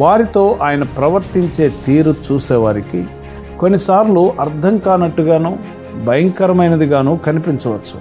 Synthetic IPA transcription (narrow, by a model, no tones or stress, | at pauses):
ʋaːɾit̪o̞ːʔaːjɐnɐpɾɐʋɐɾt̪iɲt͡ʃe̞ːt̪iːɾut͡ʃuːsɛːʋaːɾiki | ko̞nːisaːɾluʔɐɾd̪ʱɐŋkaːnɐʈːuɡaːnuː | bʱɐjɐŋkɐɾɐmɐjnɐd̪iɡaːnuːkɐnipiɲt͡ʃɐʋɐt͡ʃːu̥̰